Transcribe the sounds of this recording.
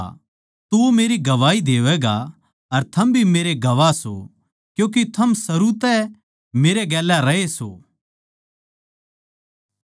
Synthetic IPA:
t̪uomeːɾiɡɐʋaːid̪eːʋɛːɡa | ɐɾt̪ʰɐmbʱimeːɾeɡɐʋaso̰ | kjũːk̬et̪ʰɐmsɐɾut̪ɛ | meːɾeɡɛːlːaɾɐeso̰ː

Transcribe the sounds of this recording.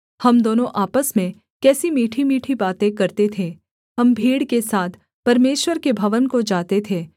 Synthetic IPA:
hɐmd̪oːnõʔaːpəsmẽ | kɛːsimiːʈʰimiːʈʰibaːt̪ẽkɐɾt̪et̪ʰeː | hɐmbʱiːɽkesaːt̪ʰ | pɐɾmeːʃwəɾkebʱɐʋənkod͡ʒaːt̪et̪ʰeː

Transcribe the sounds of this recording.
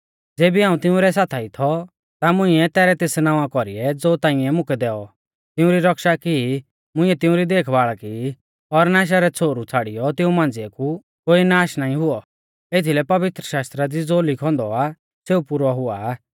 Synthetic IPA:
d͡zeːbiɦaːũt̪ɪ̃ʊ̃ɾɛsaːt̪ʰait̪ʰɔ | t̪amʊ̃ĩɛt̪ɛːɾɛt̪eːsnaːʋakɔɾiɛd͡zoːt̪ãːɪ̃ɛmʊ̃kʰɛd̪ɛːɔ | t̪ɪ̃ʊ̃ɾiɾɐkʃaki | mʊ̃ɪ̃ɛt̪ɪ̃ʊ̃ɾid̪eːkʰʋaːɭaki | ɔɾnaːʃ̬aɾɛt͡sʰoːɾut͡sʰaːɽijɔt̪ɪũmãːnd͡zɪɛku | koːinaːʃnaːĩɦʊɔ | et̪ʰilɛpɐʋɪt̪ɾəʃaːst̪ɾad̪id͡zoːlɪkʰɔ̃nd̪ɔa | seːupuɾʋaɦʊaː

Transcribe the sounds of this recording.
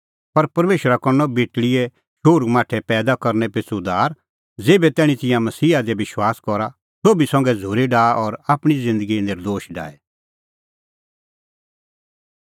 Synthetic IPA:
pɐɾpɐɾmeːʃəɾakɔnːɔbeːʈɽɪɛ | ʃʊɾɡmaːʈʰɛpɛːd̪akɐɾnɛpesʊd̪aːɾ | d͡zeːbɛt̪ɛːɽ̃it̪ɪ̃jãmɐsiːad̪ɛbɪʃwaːskɔɾa | soːbisɐ̃ŋɡɛd͡zʱoːɾiɖaːʔɔɾaːpɽ̃izɪ̃nd̪əɡinɪɾd̪oːʃɖa̰ːɛ

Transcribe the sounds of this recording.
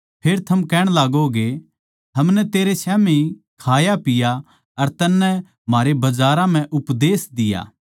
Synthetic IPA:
pʰeːɾt̪ʰɐmkɛːɽ̃laːɡoɡe | ɦɐmnɛt̪eːɾesɛːmiikʰaːjapɪja | ɐɾt̪ɐnːɛ | m̤aːɾebɐd͡ʒaːɾãm̤ɛ̃ʔʊpd̪eːsd̪ɪja̰ː

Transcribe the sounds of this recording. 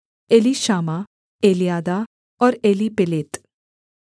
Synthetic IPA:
eːliʃaːma | eːlijaːd̪a | ɔːɾeːlipɪleːt̪

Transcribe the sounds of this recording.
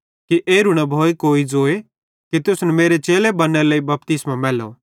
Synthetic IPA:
kiʔeːɾʊɽ̃abʱoːekoːid͡zoːe | kit̪ʊsnɛmeːɾet͡ʃeːlebɐnːɛɾləːibɐp̚t̪ɪsmamɛːlo̰

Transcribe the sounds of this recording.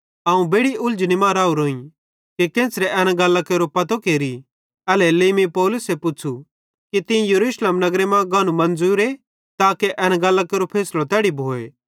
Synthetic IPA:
aːũbeːɽiʔʊld͡ʒnimãːɾaːuɾoːĩ | kikẽːsɾɛʔɛːnaɡɐlːakeːɾopɐt̪okeːɾi | ɐlɛleːmipɔːlʊsepʊt͡ʃʰu | kit̪ɪ̃jɐɾuːʃleːmnɐɡɾemɛ̃ɡaːnumɐ̃nd͡zuːɾe | t̪aːkeʔɛːñãɡɐlːakeːɾopʰeːslot̪ɛːɽibʱoːḛː

